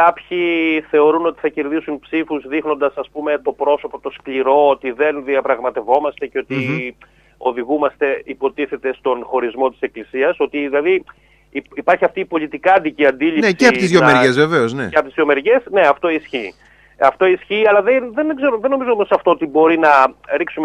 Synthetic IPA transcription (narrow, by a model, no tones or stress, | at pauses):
kɐpçiθe̞o̞ɾuno̞t̪i̥θɐce̞ɾðisunpsifuzðixno̞nd̪ɐsɐspume̞t̪o̞pɾo̞so̞po̞t̪o̞skliɾo̞ot̪iðe̞nðiɐpɾɐɣmɐt̪e̞vo̞mɐst̪e̞ceo̞t̪i | o̞ðiɣumɐst̪e̞ipo̞t̪iθe̞t̪e̞st̪o̞nxo̞ɾizmo̞t̪i̥se̞klisiɐso̞t̪iðilɐði | ipɐɾçiɐft̪iːpo̞lit̪ikɐnd̪iciɐnd̪ilineseɐpot̪izðjonmeɾʝezveve̞ozneeɐpot̪izðjome̞ɾʝe̞sne̞ɐft̪o̞isçiː | ɐft̪oisçiːɐlɐðenðenɡze̞ɾoðenːo̞mizoomosɐft̪o̞ot̪ibo̞ɾinɐɾiksume